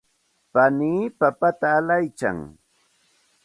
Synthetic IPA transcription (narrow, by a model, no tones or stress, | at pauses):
paniːpapat̪aːlajt͡ʃa̰ŋ